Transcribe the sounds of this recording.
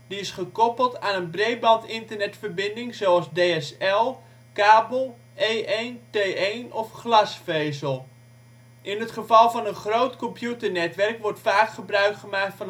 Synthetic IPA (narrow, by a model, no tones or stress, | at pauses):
diɪsχəkɔpəlˠtaːnənbrejbɑntɪntəɹnɛtfərbɪndɪŋzowɑzdejɛsɛlˠ | kaːbəlˠ | ejʔentejenɔfχlɑsfejzəlˠ | ʔɪnətχəvɑlˠvɑnənχrowtkɔmpjutəɹnɛtʋɛrkʋɔrtfaːkχəbrœɥkχəmaːk̚tfɑn